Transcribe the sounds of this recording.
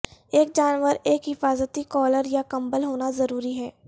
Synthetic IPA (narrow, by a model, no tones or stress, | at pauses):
eːk̚d͡ʒaːnʋəɾeːkɦɪfaːzət̪ikɔːləɾjakɐ̃mbəlɦoːnazɐɾuːɾiɦɛː